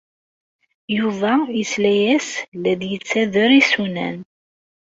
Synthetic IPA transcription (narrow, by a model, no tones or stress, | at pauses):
juvˤɑjəslæjæslæðjət͡sːæðəɾisunæ̰n